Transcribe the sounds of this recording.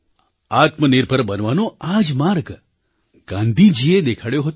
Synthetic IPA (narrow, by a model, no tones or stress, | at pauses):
at̪mənɪɾbʱəɾbənʋanoad͡ʒmaɾɡ | ɡ̥ãnd̪ʱid͡ʒied̪ekʰaɽjoɦət̪